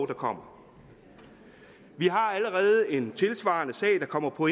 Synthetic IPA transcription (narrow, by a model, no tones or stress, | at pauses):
d̥ɑ̈kʰɒ̽m̰ɐ | ʋiɦɑ̈æləʁɛːð̞̩ˠəe̝nt͡sʰe̝lsʋɑ̈ːnəsɛ̰ːd̥ɑ̈kʰɒ̽m̰ɐpʰɒ̽e